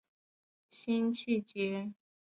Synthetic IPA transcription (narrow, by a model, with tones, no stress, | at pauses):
ɕi˥nt͡ɕʰi˥˩t͡ɕɛ˧˥